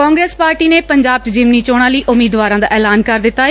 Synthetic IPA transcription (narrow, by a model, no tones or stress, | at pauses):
kɔ̃ːŋɡɾeːspaːɾʈiːneːpəɲd͡ʒaːb̚t͡ʃd͡ʒɪʋniːt͡ʃoːɽ̃ãːləiːʔʊmiːd̪ʋaːɾãːd̪a̰ːʔɛːlaːnkəɾd̪ɪtt̪ːaː